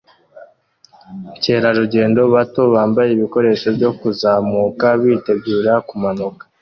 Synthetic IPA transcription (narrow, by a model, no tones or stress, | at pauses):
ce̞ːɾaɾuɟe̞ːndo̞βato̞βaːmbajeiβiko̞ɾe̞ːʃo̞bɟo̞kuzaːmuːkaβiːte̞ɡuːɾakumanukḁ